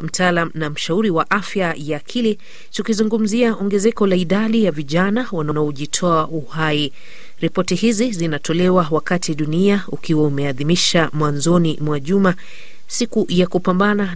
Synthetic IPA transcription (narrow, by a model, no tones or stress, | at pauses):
m̩taalam̩nam̩ʃauɾiwaʔafjajaːkʰili | tukizuŋɡum̩ziaʔɔŋɡɛzɛkɔlaiɗaɗijaviʄanawananaɔʄitʰɔauhai | ɾipɔtihizizinatʰɔlɛwawakatʰiɗuniaukiwaumɛaðimiʃamwanzɔnimwaʄuma | sikujakupambana